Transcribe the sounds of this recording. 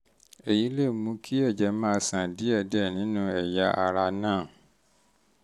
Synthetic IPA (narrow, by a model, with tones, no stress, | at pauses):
e˨ji˨˦le˦˨mũ˧˦kʰi˦ɛ˦˨d͡ʒɛ˨˦mãː˦˧˦sã˨di˦ɛ˦˨dɛ˦˨nĩ˨˦nũ˧ɛ˨ja˧ʔa˧ɾa˧nãː˦˨